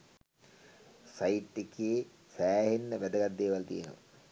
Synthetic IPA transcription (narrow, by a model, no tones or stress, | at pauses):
sajiʈːekeː | sæːɦenːəʋæd̪əɡat̪̚d̪eːʋalt̪ḭjənə̰ʋa̰